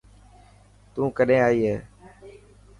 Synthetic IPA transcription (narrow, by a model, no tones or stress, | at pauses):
t̪ũːkəɗẽːaːiːɦeː